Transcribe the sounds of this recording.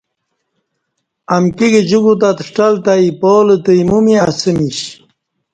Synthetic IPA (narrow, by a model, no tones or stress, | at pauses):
ɐmkiɡed͡ʑuɡut̪at̪ʂʈalt̪aipoːlət̪əjmumiasəmiɕ